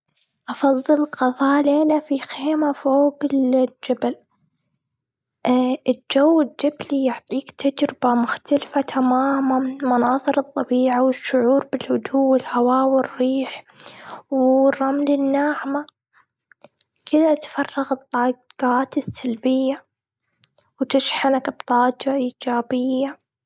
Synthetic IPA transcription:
ʔɑfɑðˤːɨlqɑðˤɑːleːnafixeːmafoːɡɪd͡ʒabɪl | ɪd͡ʒawːɪd͡ʒablijʊʕt̪ˤiːkt̪ʰad͡ʒɾɪbamʊxt̪alfat̪ʰamaːmanmʊnɑːðˤɨɾɨt̪ˤːɑbiːʕawɪʃːʊʕuːɾbɪlhʊd̪uːwɪlhawaːwɪrːiːħ | wrˤːɑmlɪnːaːʕma | kɪd̪at̪fɑrˤːɑɣɨt̪ˤːɑːd͡ʒaːt̪ɪsːalbɪjːa | wt̪ɪʃħanakb̚t̪ˤːɑːd͡ʒaʔiːd͡ʒaːbɪjːa

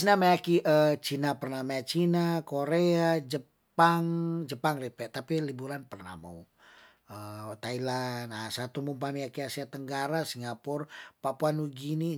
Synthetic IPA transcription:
snamajakiʔət͡ʃinapərnamaat͡ʃinakoɾead͡ʒə | paŋd͡ʒəpaŋripɛt̪apilibuɾanpərna̰hma̰u | ət̪ailanasat̪umumpamiakiasiat̪əŋɡaɾasiŋɡapʊrpapuanuɡini

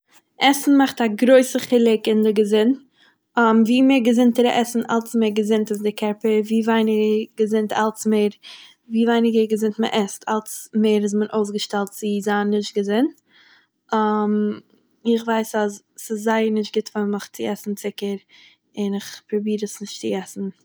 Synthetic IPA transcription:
ʔɛsn̩maχtaɡɾoɪsəχɪlˠɪkɪndɪɡəzɪn | amviːmeːɾɡəzɪntəɾə̰ʔɛsn̩alˠsmeːɾɡəzɪntasdɪkʰɛɾpəɾviːvaɪnɪɡəɡəzɪntʰa̰lˠsmeːɾ | viːvaɪnɪɡəɡəzɪntmə̰ʔɛstʰalˠsmeːɾɪs̬mənʔoʊs̬ɡəʃtɛlˠtt͡sɪzanːɪʃt̚ɡəzɪnt | am | ɪχvaɪsaz | sɪszaɪəɾnɪʃt̚ɡɪtfaməχt͡sɪɛsn̩t͡sɪkəɾ | ɪnɪχpɾɔbiːɾəsnɪʃtt͡sɪɛsn̩

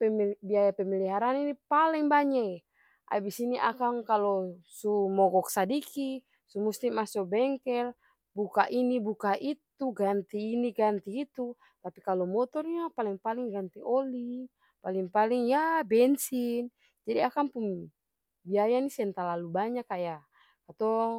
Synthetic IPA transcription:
pɛmbiajapɛmiliɦaɾaninipalɛŋbaɲa | ʔa̰bisiniʔa̰kaŋkalɔsumɔɡɔksadiki | sumust̪imasɔbɛŋkɛl | bukaʔinibukaʔit̪uɡant̪iːniɡant̪iːt̪u | t̪apikalɔmɔt̪ɔrɲapaliŋpaliŋɡant̪iʔɔli | paliŋpaliŋjabɛnsin | d͡ʒadiakaŋpuŋ | biajanisɛnt̪alalubaɲakaja | kat̪ɔ

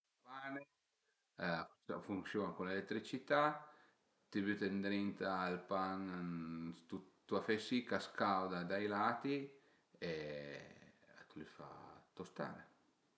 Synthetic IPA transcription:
pane | sa̰fuŋsjoːnakulelet̪ːɾit͡ʃit̪a | t̪iβyt̪end̪ɾint̪aːlpaŋ | t̪ut̪ːuafesikaskawd̪ad̪ajlaːt̪i | e | at̪ulifa̰t̪ost̪a̰ɾe

